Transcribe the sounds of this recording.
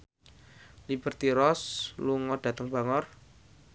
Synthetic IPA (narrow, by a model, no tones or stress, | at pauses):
lib̥ə̤rt̪iɾɔsluŋɔɖ̥ä̤t̪əŋb̥a̤ŋɔr